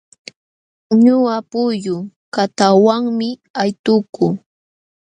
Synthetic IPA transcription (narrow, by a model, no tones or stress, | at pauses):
ɲʊapʊjʊ | kat̪awaŋmɪajt̪ʊkʊ